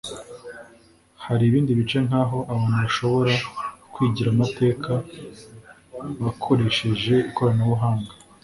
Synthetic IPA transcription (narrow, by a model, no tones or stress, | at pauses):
haɾiːβiːndiβit͡ʃe̞n̥haːɦo̞ʔaβaːnuβaʃo̞βo̞ɾakwiːɟiɾamate̞ːkʰa | βakʰo̞ɾe̞ʃe̞ʒe̞uko̞ɾanoβuɦaːŋɡa